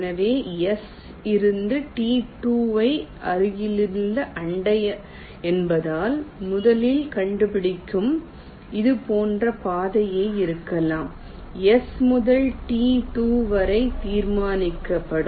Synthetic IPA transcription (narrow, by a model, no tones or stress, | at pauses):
nɐʋeːɛs | ɪɾɯnd̪ɯʈiːʈuːʋɐɪʔɐɾɯjɪlɪlːɐʔɐɳɖɐjɐ | ɛnbɐðaːlmʊðɐlɪlkɐɳɖɯpɪɽɪkːɯm | ɪðɯpoːndrɐpaːðɐjeːɪɾɯkːɐlaːm | ɛsmʊðɐlʈiːʈuːʋɐɾɐɪt̪iːɾmaːnɪkːɐpːɐɽɯ